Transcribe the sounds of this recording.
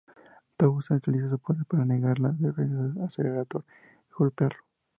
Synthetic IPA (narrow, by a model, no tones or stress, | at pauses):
t̪aɣusanet͡ʃelisos̬opoɾepaɾaneɣaɾlaðeɾenaseleɾat̪oɾ | iɣolpeaɾlo